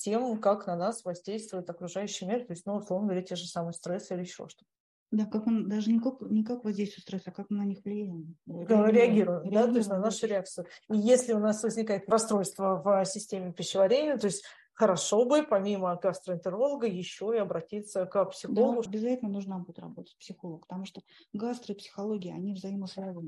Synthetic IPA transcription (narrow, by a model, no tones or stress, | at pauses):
tʲe̞mkaknɐnasvɐzʲdʲejst̪vʊjɪt̪ɐkɾʊʐajʉɕːɪjmʲirt̪o̞ɪsʲtʲnuʊslˠo̞vnəɡvɐɾʲetʲe̞ʐɨsamɨjəst̪ɾɛsilʲɪjɪɕːo̞̰ʂt̪o̥t̪ə | d̪akakond̪aʐɨnʲɪkaknʲɪkakvɐzʲdʲejst̪vʊt̪st̪ɾɛsɐkakmɨnɐnʲixvlʲɪjæjɪtɾʲɪɐɡʲiɾʊjɪmd̪at̪oɪsʲtʲnɐnaʂʊɾʲɪak̚t̪sɨjʊijesʲlʲɪʊnasvəzʲnʲɪkajɪt̪ɾɐst̪ɾo̞jst̪vəvsʲɪsʲtʲemʲɪpʲɪɕːɪvɐɾʲenʲɪjət̪o̞ɪsʲtʲ | xəɾɐʂo̞bɨpɐmʲiməɡast̪ɾəɪnt̪əɾo̞lˠəɡəjɪɕːo̞ɪɐbɾɐtʲit̪səkəpsʲɪxolˠəɡʊbʲɪzatʲɪlʲnənuʐnambud̪ʲɪt̪rɐ̰bot̪ə̥t̚ʲpsʲɪxolˠək̚pət̪ɐmuʂt̪oɡast̪ɾɨpsʲɪ̥xɐlˠoɡʲɪɪɐ̰nʲivzɐiməslˠovəm